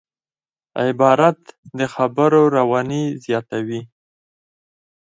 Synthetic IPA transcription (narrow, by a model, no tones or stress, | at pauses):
ɪbɑɾat̪d̪əxabəɾoɾawɑnizjɑt̪awi